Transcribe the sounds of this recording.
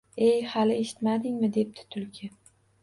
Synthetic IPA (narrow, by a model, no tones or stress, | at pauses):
ejhalɪe̞ʃɪ̥t̪mad̪ɪŋmɪd̪e̞p̚t̪ʰɪ̥t̪ʰʊlkʲʰɪ